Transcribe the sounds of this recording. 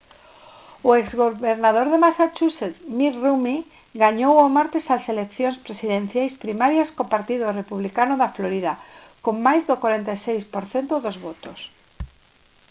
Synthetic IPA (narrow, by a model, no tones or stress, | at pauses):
ʊekzɣoβeɾnað̞oɾðemasat͡ʃuset̪miɾrumi | ɡaɲowomaɾt̪esaselekθjõnspɾesiðẽn̟θjajspɾimaɾjaskopaɾt̪iðʊrepuβlikanʊðafloɾiðakoŋmajzðokwaɾent̪ajsejspoɾθent̪oðozβot̪os